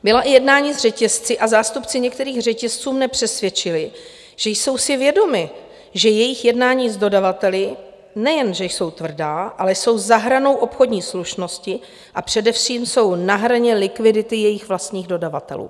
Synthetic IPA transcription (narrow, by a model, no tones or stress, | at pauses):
bɪlaʔɪjɛdnaːɲiːzr̝ɛcɛst͡sɪʔazaːst̪upt͡sɪɲɛk̚t̪ɛɾiːxr̝ɛcɛst͡suːmnɛpr̝̥ɛsvjɛt͡ʃɪlɪ | ʒ̥ɛjso̞wsɪvjɛdo̞mɪ | ʒɛjɛjɪxjɛdnaːɲiːzdo̞davat̪ɛlɪ | nɛjɛnʒɛjso̞wt̪vr̩daːʔalɛjso̞wzaɦɾano̞wʔo̞pxodɲiːsluʃno̞scɪ | ʔapr̝̥ɛdɛfʂiːmso̞wnaɦɾaɲɛlɪkvɪdɪt̪ɪjɛjɪxvlast̪ɲiːɣdo̞dava̰t̪ɛ̰lṵː